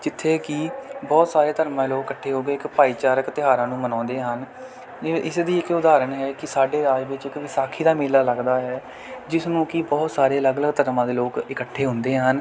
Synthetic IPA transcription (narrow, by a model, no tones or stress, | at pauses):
d͡ʒɪt̪ʰːeːkɪbɔːt̪saːɾeːt̪əɾmãːloːkːəʈʰːeːɦoːɡeːɪkpaːiːt͡ʃaːɾəkt̪ɪɦaːɾãːnũːmənɔ̃ːnd̪eːɦən | ɪsd̪iːɪkʊd̪aːɾənɦɛːkɪsaːɖeːɾaːd͡ʒʋɪt͡ʃɪkʋiːsaːkʰiːd̪aːmeːlaːləɡd̪aːɦɛː | d͡ʒɪsnũːkɪbɔːt̪saːɾeːələɡələɡt̪əɾmãːd̪eːloːkɪkəʈʰːeːɦʊnd̪eːɦən